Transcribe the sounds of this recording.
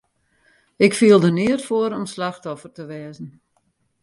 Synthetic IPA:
ɪkfiəlˠdəniərtfoəɾɔmslaxtɔfərtəʋɛːzən̩

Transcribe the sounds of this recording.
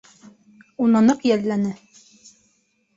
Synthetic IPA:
unɑnɤqjælːænɘ

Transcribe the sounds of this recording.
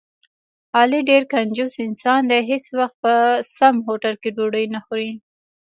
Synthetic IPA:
hɑliɖeɾkand͡ʒusɪnsɑnd̪ɛɦeswaxt̪̚pəsamɦoʈalkeɖoɽəjnaxɾi

